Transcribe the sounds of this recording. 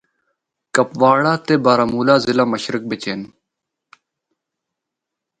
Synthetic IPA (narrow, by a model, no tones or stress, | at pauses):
kɐpʋaːɽaːt̪ebaːɾɐmuːlaːzilamɐɕɾik̚bet͡ɕeːn